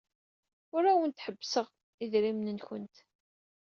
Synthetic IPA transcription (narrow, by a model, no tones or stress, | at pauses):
ʊɾæwənt̪ħəbːsəʁ | iðɾimnənçʊ̰nt̪